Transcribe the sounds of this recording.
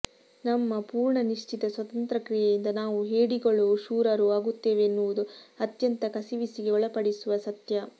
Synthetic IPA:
nɐmːɐpuːɾɳɐniʂt͡ʃit̪ɐsʋɐt̪ɐnt̪ɾɐkɾijɛjind̪ɐnaːʋuɦeːɽiɡɐɭuʃuːɾɐɾuaːɡut̪ːe̞ːʋeːnːuʋud̪uɐt̪jɐnt̪ɐkɐsiʋisiɡeɔɭɐpɐɽisuʋɐsɐt̪jɐ

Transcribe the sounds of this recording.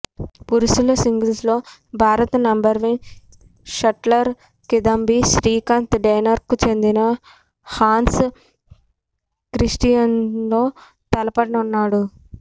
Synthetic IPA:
puɾusulɐsiŋɡilslo̞ːbʱaːɾɐt̪ɐnɐmbɐɾʋin | ʃɐʈlɐɾ | kid̪ɐmbiʃɾiːkant̪ɖɐjnɐɾkut͡ʃe̞nd̪inɐ | haːns | kɾisʈijɐnlo̞ː | t̪ɐlɐpɐɽɐnunːaːɽu

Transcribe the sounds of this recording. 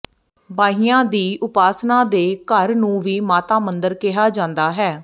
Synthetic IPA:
baːɦijãːd̪iːʔʊpaːsnãːd̪eːkəɾnũːʋiːmaːt̪aːmənd̪əɾkɪɦaːd͡ʒãːnd̪aːɦɛː

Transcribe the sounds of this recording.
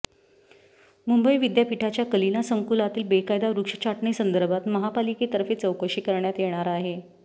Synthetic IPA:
mumbəiʋid̪japiʈʰat͡ɕjakəlinasəŋkulat̪iːlbekajd̪aɾukʂə̥t͡ɕʰaʈɳisənd̪əɾbʱat̪məɦapaliket̪əɾfet͡səwkəɕiːkəɾɳjat̪jeɽ̃aɾaɦe

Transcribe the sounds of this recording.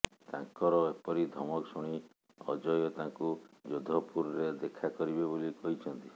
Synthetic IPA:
t̪ã̰ŋkɔɾɔepɔɾid̪ʱɔmɔksuɽ̃i | ɔ̰d͡ʒɔjɔt̪ãŋkud͡ʒod̪ʱɔpuɾɔɾed̪ekʰakɔɾibebolikɔɦit͡ʃʰɔnt̪i

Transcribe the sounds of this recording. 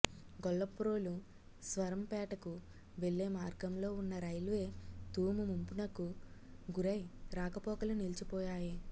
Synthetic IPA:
ɡɔɭːɐpːuɾo̞ːlu | sʋɐɾɐmpɛːʈɐku | ʋe̞ɭːe̞ːmaːɾɡɐmlo̞ːunːɐɾɐjlʋe̞ːt̪uːmumumpunɐkuɡuɾɐjɾaːkɐpɔːkɐlunilt͡ʃipɔːjaːji

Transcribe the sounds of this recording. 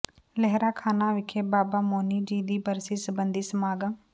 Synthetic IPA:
lɛɦɾaːkʰaːnaːʋɪkʰeːbaːbaːmoːniːd͡ʒiːd̪iːbəɾsiːsəbənd̪iːsəmaːɡəː

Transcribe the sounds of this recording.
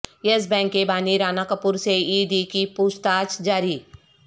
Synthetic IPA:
jes̬bɛ̃ːŋkːebaːniɾaːnakəpuɾseiːd̪ikipuːst̪aːt͡ʃd͡ʒaːɾiː

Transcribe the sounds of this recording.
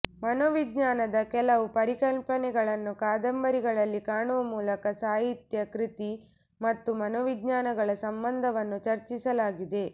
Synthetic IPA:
mɐnoʋid̪ɲaːnɐd̪ɐkɛlɐʋupɐɾikɐlpɐnɛɡɐɭɐnːukaːd̪ɐmbɐɾiɡɐɭɐlːikaːɳuʋɐmuːlɐkɐsaːɦit̪jɐkɾit̪i | mɐt̪ːumɐnoːʋid̪ɲaːnɐɡɐɭɐsɐmbɐnd̪ʱɐʋɐnːut͡ʃɐɾt͡ʃisɐlaːɡid̪e̞

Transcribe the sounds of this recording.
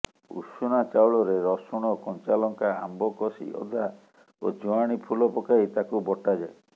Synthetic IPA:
ṵsunat͡ʃawɭɔɾeɾɔsɔɽ̃ɔkɔnt͡ʃalɔŋkaambɔkɔsḭʔɔ̰d̪ʱa | od͡ʒɔaɽ̃ipʰulɔpɔkaɦit̪akubɔʈad͡ʒae

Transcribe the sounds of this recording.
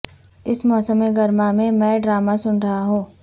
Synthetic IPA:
ɪsmɔːsəmeɡɐɾmamẽmɛ̃ːɖɾaːmasʊnɾɐɦaɦũː

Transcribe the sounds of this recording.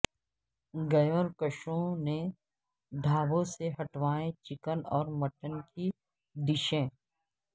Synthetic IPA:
ɡɐjoːɾkəʃõne | ɖʱaːʋõseɦɐʈʋaːẽt͡ʃɪkənɔːɾmɐʈənki | d̪ɪʃẽː

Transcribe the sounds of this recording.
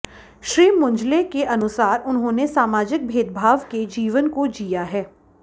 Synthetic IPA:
ʃɾiːmʊ̃ɲd͡ʒlekeʔɐnʊsaːɾʊnɦõnesaːmaːd͡ʒɪk̚bʱeːd̪̚bʱaːʋked͡ʒiːʋənkod͡ʒijaɦɛː

